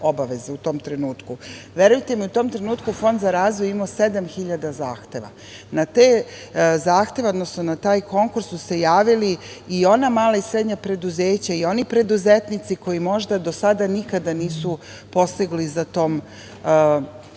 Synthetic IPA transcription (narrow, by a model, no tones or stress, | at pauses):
o̞baʋe̞zeut̪o̞ːmt̪ɾe̞nuːt̪kuʋje̞ɾujt̪e̞miut̪o̞ːmt̪ɾe̞nuːt̪kufo̞nd̪zaɾaːzʋojuimose̞d̪amxiʎad̪azaːxt̪e̞ʋa̰ | nat̪eːzaːxt̪e̞ʋeod̪no̞snonat̪aːjko̞ŋkuɾsːuse̞jaːʋiliːo̞namaːlˠaisɾed̪ɲapɾe̞d̪uzeːt͡ɕaio̞nipɾe̞d̪uzet̪nit̪siko̞jimo̞ʒd̪ad̪o̞sad̪anikad̪aniːsu | po̞st̪iɡlizat̪o̞ːm